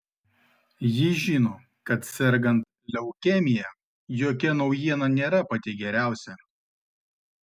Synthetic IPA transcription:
jɪʒʲiːnoː | kɐt̪sʲɛɾʲɡɐnt̪̚ | lʲɛʊkʲɛmʲɪjɛ | joːkʲɛnɒʊjiɛnɐnʲeːɾɐpɐt̪ʲɪɡʲɛɾʲæˑʊsʲɛ

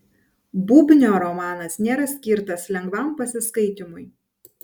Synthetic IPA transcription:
bʊbʲnʲoːɾɔmɑːnɐsnʲeːɾɐsʲkʲiːˑɾt̪ɐslʲɛŋɡʋɐˑmpɐsʲɪskɐɪt̪ʲɪmʊj

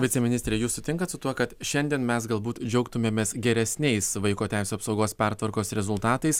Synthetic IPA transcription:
ʋʲɪtt͡sʲɛmʲɪnʲɪsʲt̪ʲɾʲeːjuːssʊt̪ʲɪŋkɐt̪sʊt̪uɔkɐt̪ʃʲɛnʲd̪ʲiɛnmʲɛsɡɐlˠbuːt̪d͡ʒʲɛʊkt̪ʊmʲeːmʲeːsɡʲɛɾʲɛsʲnʲɛɪsʋɐɪkoːt̪ʲæˑɪsʲuːɐpsɒʊɡoːspʲɛɾt̪ʋɐɾkoːsɾʲɛzʊlˠt̪ɑːt̪ɐɪs

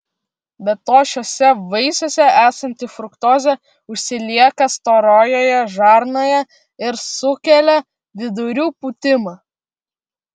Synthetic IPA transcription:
bʲɛt̪ːoːʃʲoːsʲɛʋɐɪsʲoːsʲɛʔæːsɐnʲt̪ʲɪfɾʊkt̪oːzʲɛ | ʊʃʲsʲɪlʲiɛkɐst̪oːɾoːjoːjɛʒɑɾnoːjɛ | ɪɾsʊkʲɛlʲɛ | ʋʲɪd̪ʊɾʲuːpʊːt̪ʲɪmɑː

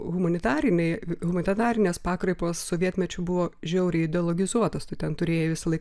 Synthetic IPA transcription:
ɣʊmɐnʲɪt̪ɑːɾʲɪnʲɛɪɣʊmɐnʲɪt̪ɑːɾʲɪnʲeːspɑːkɾɐɪpoːssoːʋʲiɛt̪ʲmʲɛt͡ʃʲʊbʊʋoːʒʲɛʊɾʲɛɪɪd̪ʲɛːlˠoɡʲɪzuɔt̪ost̪ɐɪt̪ʲɛnt̪ʊɾʲeːjɛʋʲɪsɐlˠɐɪ

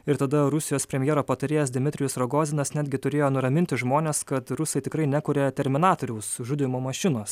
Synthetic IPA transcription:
ɪɾt̪ɐd̪ɐɾʊsʲɪjoːspʲɾʲɛmʲjeɛːɾoːpɐt̪ɐɾʲejɛs̬d̪ʲɪmʲɪt̪ʲɾʲɪjʊsɾoɡoːzʲɪnɐsnʲæːd̪ɡʲɪt̪ʊɾʲeːjoːnʊɾɐmʲɪnʲt̪ʲɪʒmoːnʲeːskɐt̪ɾʊsɐɪt̪ʲɪkɾɐɪnʲækʊɾʲɛt̪ʲɛɾʲmʲɪnɑːt̪oːɾʲɛʊsʒʊd̪ʲɪmoːmɐʃʲɪnoːs

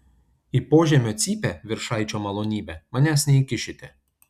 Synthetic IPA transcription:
iːˑpoːʒʲɛmʲoːt̪sʲiːpʲɛʋʲɪɾʃɑɪt͡ʃʲoːmɐlˠoːnʲiːbʲɛmɐnʲæːsnʲɛikʲɪʃʲɪt̪ʲɛ

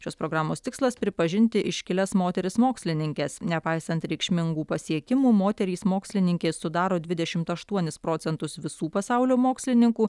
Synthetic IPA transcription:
ʃʲoːspɾoːɡɾɑːmoːst̪ʲɪkslˠɐspʲɾʲɪpɐʒʲɪnʲt̪ʲɪʔɪʃʲkʲɪlʲɛsmoːt̪ʲɛɾʲɪsmoːksʲlʲɪnʲɪŋʲkʲɛsnʲɛpɐɪsɐnt̪ɾʲɛɪkʃʲmʲɪŋɡuːpɐsʲiɛkʲɪmuːmoːt̪ʲɛɾʲiːsmoːksʲlʲɪnʲɪŋʲkʲɛɪsʊd̪ɑːɾoːd̪ʲʋʲɪd̪ʲɛʃʲɪmt̪ɐʃt̪uɔnʲɪspɾoːt̪sʲɛnt̪ʊsʋʲɪsuːpɐsɑʊlʲoːmoːksʲlʲɪnʲɪŋkuː

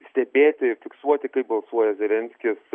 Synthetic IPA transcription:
sʲt̪ʲɛbʲeːt̪ʲɪɪfʲɪksuɔt̪ʲɪkɐɪp̚bɐlˠsuɔjɛzʲɛlʲɛnʲsʲkʲɪs

